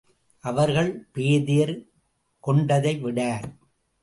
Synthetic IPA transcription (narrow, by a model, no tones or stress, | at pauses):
ʔɐʋɐɾɣɐɭpeːðɪjɐɾ | kɔɳɖɐðɐɪʋɪɽaːɾ